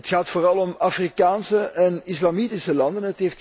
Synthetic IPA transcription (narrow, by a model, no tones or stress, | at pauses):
ətxaːtfoːrɑlˠɔmafrikaːnsəɛnɪslamitɪsəlɑndənətɦeft